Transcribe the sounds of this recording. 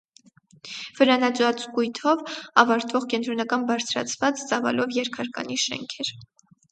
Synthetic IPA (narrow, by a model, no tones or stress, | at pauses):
v̥əɾɑnɑt͡sɑt͡skujt̪ʰɔvɑvɑɾt̪vɔʁkɛnt̪ɾɔnɑkɑnbɑɾt͡sʰɾɑ̰t͡sʰvɑt͡st͡sɑvɑ̰lɔvjɛɾkʰɑɾkɑ̰niʃɛ̰ŋkʰɛɾ